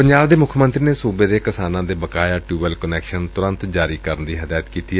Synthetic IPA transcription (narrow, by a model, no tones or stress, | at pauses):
pəɲd͡ʒaːbd̪eːmʊkʰmənt̪ɾiːneːsuːbeːd̪eːkɪsaːnãːd̪eːbəkaːjaːʈuːbəlkənɛːkʃənt̪ʊɾə̃nt̪d͡ʒaːɾiːkəɾnd̪iːɦəd̪aːjət̪kiːt̪iːɛ